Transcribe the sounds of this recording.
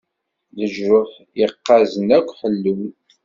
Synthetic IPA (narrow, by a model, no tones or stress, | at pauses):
ləʒɾʊħ | jəqːɑzənækʷːħəlːəw